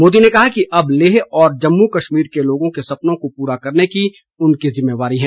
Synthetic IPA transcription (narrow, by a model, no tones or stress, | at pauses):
moːd̪inekɐɦakiʔɐbleːɦɔːɾd͡ʒɐmːukɐʃmiːɾkeloːɡõkesɐpnõkopuːɾakɐɾneki | ʊnkizɪmːeːʋaːɾiɦɛ̃ː